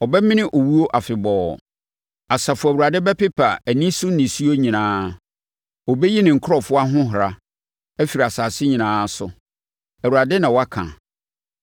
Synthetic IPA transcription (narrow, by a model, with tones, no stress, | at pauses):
ɔ˨bɛ˦mɪ̃˦nɪ̃˦ʔo˨wu˦o˦ʔa˨fɪ˨bɔː˨ | a˨sa˨fʊ˦˨æ˨wu˨ɾa˨dɪ˦bɛ˦pɪ˦pʰa˨æ˨nĩ˦sʊ˦n˦nɪ̃˨su˦o˦ɲĩ˨nãː˦ | ɔ˨bɛ˦ji˦nɪ̃˨ŋ̩˨kʰʊ˦ɾɔ˨fʊ˦a˦ɦʊ̃˦ɦɾa˨ | æ˦fi˨ɾi˨a˨saː˨sɪ˦ɲĩ˨nãː˦sʊ̰˨ | æ˨wu˨a˨dɪ˦nã˨wɔ˦a˦kʰã̰˨